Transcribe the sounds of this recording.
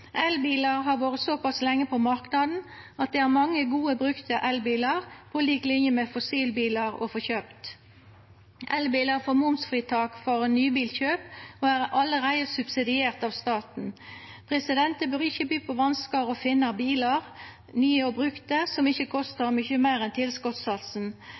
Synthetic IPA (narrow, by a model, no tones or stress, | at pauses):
ʔɛlbiːlɑɾɦɑɾʋoːɾətsopɑslɛŋːəpʰɔmɑɾknɑd̪n̩ | ɑt̪̚d̪ɛæːɾmɑŋːəɡuːəbʁʉkt̪əʔɛlbiːlɑʁpʰɔliːklɪnjəmɛfɔsiːlbiːlɑɾɔ̰fɔçøːpt̪ | ʔɛlbiːlɑɾfɔmʊmsfɾiːt̪ʰɑːkfɔɾnyːbiːlçøːpoæʁɑlɾæɪəsʉbsɪd̪ɪeːʁt̪ɑːʋst̪ɑːt̪n̩pʰʁɛsɪd̪ɛnt̪əbøːɾɪçəbyːpʰɔʋɑnskɑɾɔfɪnːɑbiːlɑʁ | nyːəɔbʁʉkt̪əsɔmɪçəkʰɔst̪əɾmʏçəmæɪʁɛnt̪ʰɪlskɔt̪sɑlsn̩